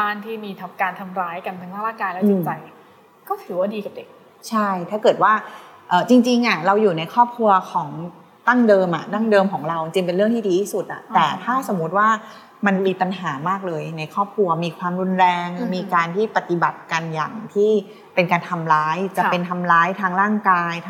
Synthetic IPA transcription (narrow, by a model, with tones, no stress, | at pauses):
aː˧nt̪ʰiː˥˩miː˧t̪ʰa˦mkaː˧nt̪ʰa˧mɾaː˦˥jka˧nʰa˧naː˥˩laː˥˩kaː˧nlɛː˦˥t͡ɕi˧t͡ɕa˧j | kɔː˥˩t̪ʰɯː˩˦waː˥˩diː˧ka˨˩p̚de˨˩k̚ | t͡ɕʰa˥˩jt̪ʰaː˥˩kɤː˨˩t̪̚waː˥˩ | ʔɤː˨˩t͡ɕi˧ŋt͡ɕi˧ŋʔa˨˩ɾa˧wjuː˨˩na˧jkʰɔː˥˩p̚kʰɾu˧ɐkʰɔː˩˦ŋ | t̪a˥˩ŋdɤː˧mʔa̰˨˩t̪a˥˩ŋdɤː˧mkʰɔː˩˦ŋɾa˧wt͡ɕi˧ŋt͡ɕi˧ŋpe˧nɾɯ˥˩ŋtʰiː˥˩diː˧t̪ʰiː˥˩su˨˩t̪̚ʔa̰˨˩t̪ɛː˨˩t̪ʰaː˥˩so˩˦mːu˦˥t̪̚waː˥˩ | ma˧nmiː˧pa˧nɦaː˩˦maː˥˩k̚lɤː˧jna˧jkʰɔː˥˩p̚kʰu˧ɐmiː˧kʰwaː˧mɾu˧nɾɛː˧ŋmiː˧kaː˧nt̪ʰiː˥˩pa˨˩t̪i˨˩ba˨˩t̪̚ka˧nja̰ː˨˩ŋt̪ʰiː˥˩ | pe˧nkaː˧nt̪ʰa˧mɾaː˦˥jt͡ɕa˨˩pe˧nt̪ʰa˧mɾaː˦˥jt̪ʰaː˦˧˥ŋɾaː˥˩ŋkaː˧jt̪ʰ